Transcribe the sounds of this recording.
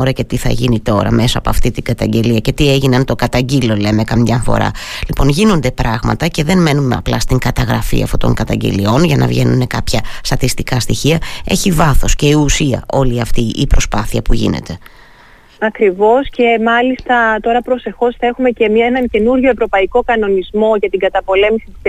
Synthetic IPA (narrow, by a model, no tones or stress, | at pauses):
oɾɐce̞t̪iθɐ̰ʝinit̪o̞ɾɐ̰me̞sɐɐpo̞ɐft̪it̪iɡɐt̪ɐɲɟe̞liɐce̞t̪ie̞ʝineɐnt̪o̞kɐt̪ɐɲɟilo̞le̞me̞kɐmɲɐfo̞̰ɾɐ̰lipo̞nʝinond̪e̞pɾʔɐɣmɐ̰t̪ɐce̞ðe̞nme̞numeɐ̰plɐst̪iŋɡɐt̪ɐɣɾɐfḭɐ̰fto̰t̪o̞̰ŋkɐt̪ɐɲɟe̞̰lio̞nʝɐnʔɐ̰vʝe̞nune̞kɐpçɐst̪ɐt̪ist̪ikɐst̪içiɐe̞çivɐθo̞sce̞iusiɐ̰ʔo̞liɐft̪iʔipɾo̞spɐθiɐpuʝḭne̞̰t̪e | ɐkɾivo̞sce̞mɐlist̪ɐt̪o̞ɾɐpɾo̞se̞xo̞sθɐe̞xumece̞miɐenɐnce̞nuɾʝo̞evɾo̞pɐiko̞kɐno̞nizmo̞ʝɐt̪iŋɡɐt̪ɐpo̞le̞misi̥t̪i